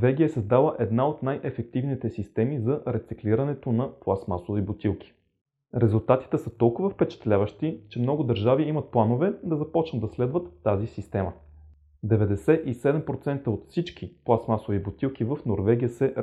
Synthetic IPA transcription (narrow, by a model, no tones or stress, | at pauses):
vɛɡʲiəɛsəzd̪alˠəʔɛd̪naot̪najʔɛfɛk̚t̪ivnit̪ɛsist̪ɛmizɐɾɛt̪sikliɾɐnɛt̪onɐplˠasmasovibot̪ilˠk̟ʰʲi̥ | ɾɛzulˠt̪at̪i̥t̪ɛsət̪ɔlˠkʊvəfpɛt͡ʃɛ̥t̪lʲavəʃt̪it͡ʃɛmnɔɡʊd̪əɾʒaviimət̪̚plˠanovɛd̪ɐzɐpɔt͡ʃnət̪ːɐslɛd̪vət̪ːazisist̪ɛmə | d̪ɛvɛd̪ɛsɛʔisɛd̪ɛmpɾot̪sɛnt̪əot̪fsit͡ʃk̟iplˠasmasovibot̪ilˠkivəfnoɾvɛɡ̟ʲijəsɛ